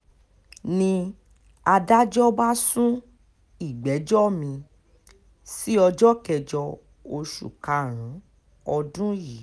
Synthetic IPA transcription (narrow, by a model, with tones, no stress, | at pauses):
nĩ˧ | a˧da˦d͡ʒɔ˦ba˦sũ˦ | i˨ɡ͡bɛ˨˦d͡ʒɔ˦mĩ˧ | si˦ɔ˧d͡ʒɔ˦kɛ˨d͡ʒɔ˧ | o˧ʃṵ˨ka˨˧ɾ̃ũ˨˦ | ɔ˧dũ˦ji˨˦